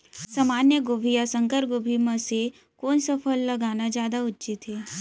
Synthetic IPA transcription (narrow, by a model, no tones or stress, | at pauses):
sɐmaːnjəɡoːbʱijasə̃ŋkəɾɡoːbʱimãse | koːnsɐpʰəlːɐɡaːnad͡ʒjaːd̪aʊtːt͡ʃit̪ɦeː